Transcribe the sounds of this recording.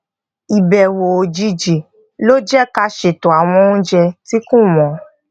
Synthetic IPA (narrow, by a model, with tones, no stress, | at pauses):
i˨bɛ˨wo˨o˨d͡ʒi˧d͡ʒi˨ | lo˦d͡ʒɛ˦ka˧ʃe˨to˨a˨w̃ɔ̃˧ũ˦d͡ʒɛ˧ti˦kũ˦mɔ̃˨